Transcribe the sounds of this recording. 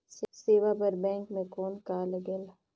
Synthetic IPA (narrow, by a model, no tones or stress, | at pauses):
sseːʋapɐɾbɛ̃ːŋkmẽkɔːnkaːləɡel